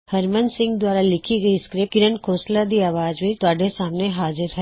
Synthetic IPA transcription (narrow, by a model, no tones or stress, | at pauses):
hɐɾmənsɪ̃ŋɡd̪waːɾalɪkʰiɡəiskɾɪkɪɾənkʰoːslad̪iaːʋaːd͡ʒʋit̪ʊaːɖesaːmneɦaːzɪɾɦɛ